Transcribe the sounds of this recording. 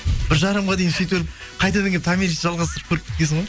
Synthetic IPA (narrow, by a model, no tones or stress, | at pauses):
b̥ɪɾʒɑɾəmʁɑd̪e̞jɪnsejt̪elɪpqʰɑjt̪ɑd̪əŋɡ̪ʲet̪ʰamiɾisʒɑlˠʁɑst̪əɾəp̚kʲʰɵɾɪp̚kʲɪesɪɴʁoj